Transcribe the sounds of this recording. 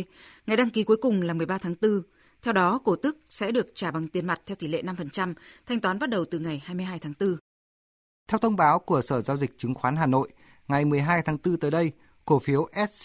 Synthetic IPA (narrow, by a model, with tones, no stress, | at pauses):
ŋa˨˩jɗa˧ŋki˨˦ku˨˦jkʊ˨˩ŋ͡mlaː˨˩mɨ˨˩əjɓaː˧t̪ʰaː˨˦ŋt̪ɨ˧ | t̪ʰɛ˧wɗɔ˨˦ko˧˩t̪ɨ˦˥k̚sɛ̰˧˥ɗɨ˨˩ək̚t͡ɕaː˧˩ɓa˨˩ŋt̪i˨˩ənma˨˩t̚t̪ʰɛ˧wt̪ʰi˧˩lḛ˧˨na˧mfə˨˩nt͡ɕa˧mt̪ʰa˧jŋ̟t̪waː˨˦nɓt̚ɗə˨˩wt̪ɨ˨˩ŋa˨˩jhaː˧jmɨ˧əjɦaː˧jt̪ʰaː˨˦ŋt̪ɨ˧ | t̪ʰɛ˧wt̪ʰə˧wŋ͡mɓaː˨˦wku˧˩əsəː˧˩zaː˧wzi˨˩k̚t͡ɕɨ˨˦ŋxwaː˨˦nɦaː˨˩no̰˧˨j | ŋa˨˩jmɨ˨˩əjɦaː˧jt̪ʰaː˨˦ŋt̪ɨ˧t̪əː˨˦jɗə˧j | ko˧˩fi˨˦əwʔɛ˦˥t̚